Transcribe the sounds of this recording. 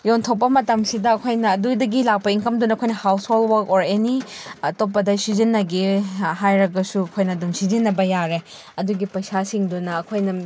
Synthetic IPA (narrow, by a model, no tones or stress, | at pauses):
jontʰow̚pːɐmɐtɐmsidɐːkʰojnɐːdudɐɡilak̚pɐiŋkɐmdunɐɐkʰojnɐhawsholwɐkoɾenitop̬ːɐdɐsizinːɐɡiɦajɾɐɡɐsuɐkʰojnɐːdumsizinːɐbɐjaɾe | ɐduɡipɐjsasiŋdunɐːkʰojnɐ